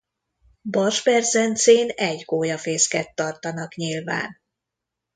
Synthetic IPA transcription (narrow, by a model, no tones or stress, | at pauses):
bɒrʒbɛrzɛnt̪seːnɛɟɡoːjɒfeːskɛt̪ːɒrt̪ɒnɒkɲilva̰ːn